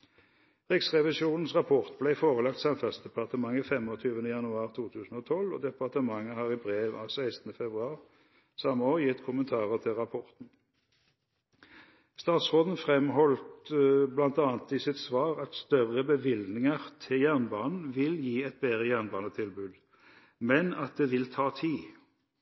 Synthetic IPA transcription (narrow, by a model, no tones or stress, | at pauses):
ʁɪksʁɛʋɪsuːnn̩sʁɑpʰɔʁt̪̚blæɪfoːʁəlɑkt̪sɑnfɛsd̪ɛpɑʁt̪əmɑŋːəfɛmɔt̪ʰyːʋənəjɑnʉɑːʁt̪ʰuːt̪ʰʉːsn̩oːt̪ʰɔlɔ̰d̪ɛpɑʁt̪əmɑŋːəhɑːʁɪbʁeːʋɑ̰ːʋsæɪst̪n̩əfɛbʁʉɑːʁ | sɑməoːjɪt̪ːkʰʊmənt̪ʰɑːʁət̪ʰɪlʁɑpʰɔʁt̪n̩ | st̪ɑːt̪sʁoːd̪n̩fʁɛmhɔlt̪blɑnt̪ɑːnt̪ɪsɪt̪sʋɑːʁɑt̪st̪œʁəbəʋɪld̪nɪŋəʁt̪ʰɪljæʁnbɑːnn̩ʋɪljiːɛt̪̚bɛːʁəjæʁnbɑːnət̪ʰɪlbʉːd̪ | mɛnɑt̪̚d̪eːʋɪlt̪ʰɑːt̪ʰiː